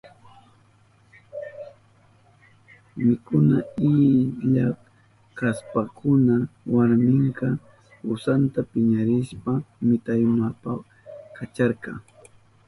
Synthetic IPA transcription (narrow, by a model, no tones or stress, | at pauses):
mɪkʊnaɪʎa | kaspakʰʊnawaɾmɪŋkɑ | ʊsant̪apɪɲaɾɪʃpamɪt̪ajmapa | kat͡ʃaɾqɑ̰